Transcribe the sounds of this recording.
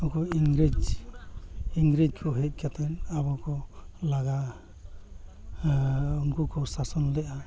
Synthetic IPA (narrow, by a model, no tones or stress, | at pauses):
ɔkɔiŋɡɾid͡ʒ | iŋɡɾid͡ʒkʰɔɦɛc̚ˀkʰat̪ʰɛnabɔkɔlaɡa | unkukɔsasɔnɔlɛʔa